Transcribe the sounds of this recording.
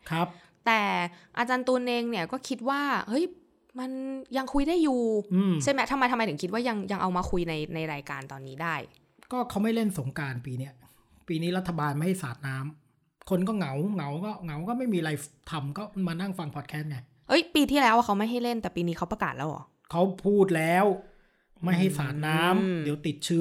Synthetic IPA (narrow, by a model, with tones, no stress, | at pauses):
kʰɾa˦˥p̚ | t̪ɛː˨˩ʔa˧t͡ɕaː˧nt̪u˧nʔeː˧ŋni˥˩ɐkɔː˥˩kʰi˦˥t̪̚waː˥˩hɤ˦˥j | ma˧nja˧ŋkʰu˧jdaː˥˩jːuː˨˩ʔɯː˧˩mt͡ɕʰe˥˩mɛ˦˥t̪ʰa˧mːa˧jt̪ʰma˧jt̪ɯ˩˦ŋkʰt̪̚waː˥˩ja˧ŋja˧ŋʔa˧wmaː˧kʰu˧jna˧jna˧jɾaː˧jkaː˧nt̪ɔː˧nːiː˦˥daː˥˩j | kɔː˥˩kʰa˦˥wma˥˩jle˥˩nso˩˦ŋkaː˧npiː˧ni˦˥ɐ | piː˧niː˦˥ɾa˦˥t̪ʰːa˧baː˧nma˥˩jha˥˩jsaː˨˩t̪̚naː˦˥m | kʰo˧nkɔː˥˩ŋa˩˦wŋa˩˦wkɔː˥˩ŋa˩˦wkɔː˥˩ma˥˩jmiː˧ʔa˧ɾa˧jt̪ʰa˧mkɔː˥˩maː˧na˥˩ŋfa˧ŋpʰɔː˨˩t̪kʰɛː˦˥t̪̚ŋa˧j | ʔɤ˦˥jpiː˧t̪ʰiː˥˩lɛː˦˥wʔa˧˥˩kʰa˦˥wma˥˩jɦa˥˩jle˥˩nt̪ɛː˨˩piː˧niː˦˥kʰa˦˥wpɾa˧kaː˨˩t̪̚lɛː˦˥wʔɔ̰ː˨˩ | kʰa˦˥wpʰuː˥˩t̪̚lɛː˦˥w | ma˥˩jɦa˥˩jsaː˨˩t̪̚naː˦˥mdi˩˦wt̪i˨˩t̪̚t͡ɕʰɯː˦˥